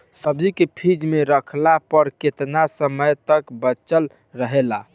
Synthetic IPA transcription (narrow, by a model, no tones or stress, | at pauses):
səbd͡ʒikepʰid͡ʒmeɾəkʰlapəɾket̪nasəməjt̪əkbət͡ʃəl | ɾəɦela